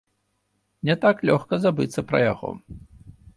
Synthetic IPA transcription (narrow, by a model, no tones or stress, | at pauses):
nʲɛt̪aklʲɔxkɐzabɨt̪sːɐpɾɐ̰ja̰ɣɔ̰